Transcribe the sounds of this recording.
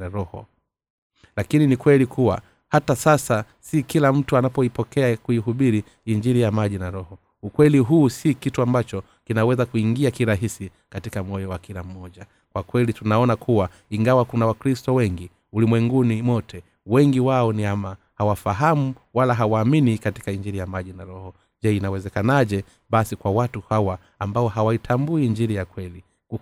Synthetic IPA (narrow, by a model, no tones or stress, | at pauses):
ɾɔhɔ̰ | lakininikwɛlikuwa̰ | hatasasa | sikilam̩tuanapɔipɔkɛakuiɦuɓiɾi | iɲd͡ʒiɾijamaʄinaɾɔhɔ | ukwɛliɦuːsikituambat͡ʃɔ | kinawɛzakuiŋɡiakiɾaɦisi | katikam̩ɔjɔwakilam̩ːɔʄa | kwakwɛlitunaɔnakʰuwa | iŋɡawakunawakɾistɔwɛŋɡi | ulimwɛŋɡunimwɔtʰɛ | wɛŋɡiwaɔniama | hawafaɦamu | walaɦawaːminikati̥kaiɲd͡ʒiɾijamaʄinaɾɔhɔ | ʄɛinawɛzɛkanaʄɛ | ɓasikwawatuhawaː | mbaɔhawaitʰambuiɲd͡ʒiɾijakwɛli